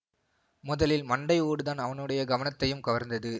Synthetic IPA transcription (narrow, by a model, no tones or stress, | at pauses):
mʊðɐlɪlmɐɳɖɐɪuːɽɯðaːnɐʋɐnɯɽɐjɐɡɐʋɐnɐt̪ːɐjɯmkɐʋɐɾnd̪ɐðɯ